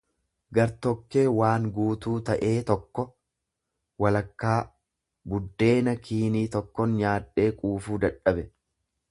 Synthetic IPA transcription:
ɡɐɾt̪ɔkːe̞ːwaːŋɡuːt̪uːt̪ɐʔe̞ːt̪ɔkːɔ | wɐlɐkːaː | bʊd̪ːe̞ːnɐkʰiːniːt̪ɔkːɔnɲaːᶑːe̞ːkʼuːfuːd̪ɐᶑɐbɛ

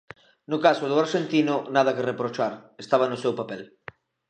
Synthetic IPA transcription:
nʊkasʊðʊaɾʃent̪inʊnað̞ɐkerepɾot͡ʃaɾest̪aβ̞anʊsewpapɛl

